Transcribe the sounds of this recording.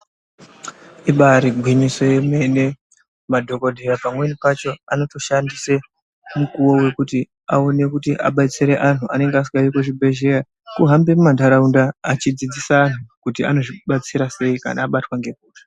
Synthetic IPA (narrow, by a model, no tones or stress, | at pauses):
iɓaɾiɡʱwiɲiso̞jeme̞ne | madʱo̞ko̞dʱejapamwe̞nipat͡ʃo̞ano̞to̞ʃandise̞ | mukuwo̞we̞kuti | a̰o̞ne̞kutiʔa̰ɓat͡seɾeʔan̤uʔane̞ŋɡeas̬iɡaiko̞ʐibʱe̞ʒe̞ra | kuɦambe̞mumandaɾaundaːt͡ʃid͡zid͡zisaːn̤ukutia̰no̞ʐiɓat͡siɾase̞ika̰na̰ːɓatwaŋɡe̞b̚ʱuːtḁ